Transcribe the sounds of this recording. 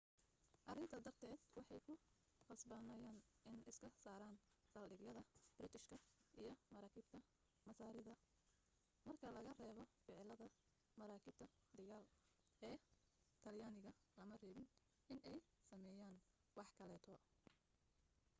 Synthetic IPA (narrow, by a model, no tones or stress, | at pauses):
ʔɑrɪnt̪ʰɐd̪ɐrt̪ʰɛːd̪wɑħɑjkʰʊ | qɑsbɐnɐjaːnɪnɪskʰɐsaːɾaːnsɐːlɖɪɡlɐðɐb̥rɪt̪ʰɪʃkʰɐʔijɞmɐɾaːkʰiːb̚t̪ʰɐ | mɐsaːɾɪðɐ | mɐrkʰɐlɐɣɐrɛːβɔfɪʕɪlɐðɐ | mɐɾaːkʰiːb̚t̪ʰɐ | d̪ɐɣaːl | ɛː | t̪ʰɐljaːnɪɣɐ | lɐmɐrɛːβɪn | ɪnɛjsɐmɛːjaːn | wɑħkʰɐlɛːt̪ʰɔ